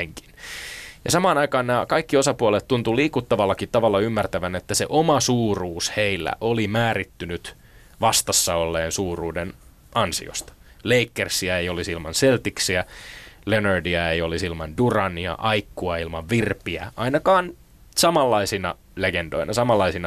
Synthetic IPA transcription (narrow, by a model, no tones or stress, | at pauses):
eŋki̥njɑsɑmɑːnɑikɑːnnæːkɑikːiosɑpuɑlet̪t̪unt̪uliːkut̪ːɑʋɑlːɑkit̪t̪ɑʋɑlːɑymːært̪æʋænet̪ːæsḛʔomɑsuːruːsheilːæ̰ʔolimæːrit̪ːynyt̪ | ʋɑst̪ɑsːɑolːeːnsuːruːden | ɑnsḭo̰st̪ɑ̥ | leikːersiæejolisilmɑnselt̪iksiælenørdiɑejolisilmɑndurɑniɑ̰ʔɑikːuɑilmɑʋʋirpiæ̰ʔɑinɑkɑːn | sɑmɑlːɑisinɑ̰ | leɡend̥o̰inʔɑsɑmɑlːɑisinɑ